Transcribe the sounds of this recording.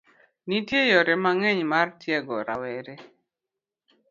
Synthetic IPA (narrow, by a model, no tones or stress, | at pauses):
nitjejɔɾɛmaŋɛɲmartjeɡɔɾaweɾe